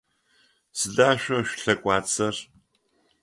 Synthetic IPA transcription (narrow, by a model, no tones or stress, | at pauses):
sɨdaːʃᶣʷɐʃᶣʷɬɐkʷʼaːt͡sʰʼɐr